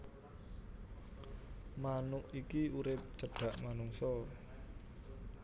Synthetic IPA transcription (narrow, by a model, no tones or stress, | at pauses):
manʊʔikiuɾɪp̚t͡ʃəɖ̥a̤ʔmanuŋsɔ